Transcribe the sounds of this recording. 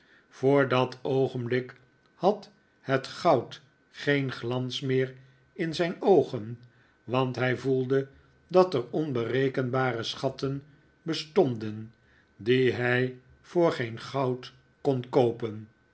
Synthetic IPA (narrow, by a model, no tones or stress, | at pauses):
v̥oːɹdɑtowχənblɪk | hɑt | hətχɑwt | χejnχlɑnsmɪːɹ | ɪnzɛjnowχən | ʋɑntɦɛjvulˠdə | dɑtərɔnbərejkənbaːrəsχɑtən | bəstɔndən | diɦɛj | v̥ʊːɹχejnχɑwt | konkowpən